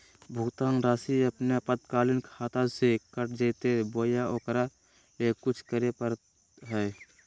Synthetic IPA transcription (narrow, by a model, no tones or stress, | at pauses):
bʱut̪aːnɾaːsiəpnepəd̪kaːlɪnkʰaːt̪asekəʈd͡ʒeːt̪eboːjaʔoːkɾa | ekʊt͡ʃʰkəɾepəɾ | ɦɛː